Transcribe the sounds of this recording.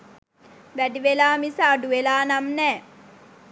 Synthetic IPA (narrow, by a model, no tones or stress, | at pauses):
ʋæɖiʋelaːmisaːɖuʋelaːnamnɛː